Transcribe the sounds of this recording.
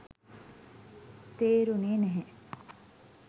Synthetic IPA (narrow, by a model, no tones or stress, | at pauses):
t̪eːɾuniːneɦe